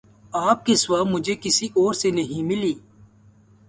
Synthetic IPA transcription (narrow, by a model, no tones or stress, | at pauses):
aːp̚keswaːmʊd͡ʒʱekɪsiʔɔːɾsenɐɦĩmɪliː